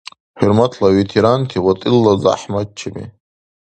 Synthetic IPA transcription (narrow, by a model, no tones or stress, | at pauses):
hirmat̪ʰlawet̪ʰeɾant̪ʰiwat̪ʼilːazaa̰ħmad̪̚t͡ʃʰamḭ